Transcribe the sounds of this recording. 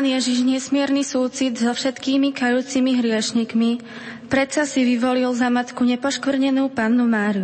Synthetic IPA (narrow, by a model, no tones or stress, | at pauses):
anjɛʒiʒɲɛsmɪɛɾnisuːt͡sid̪zɔfʃɛt̪kiːmikajuːt͡simiɦɾɪɛʃɲikmi | pɾɛsasiʋiʋɔlilzamat̪kuɲɛpɔʃkʋr̩ɲɛnuːpanːumaːɾiu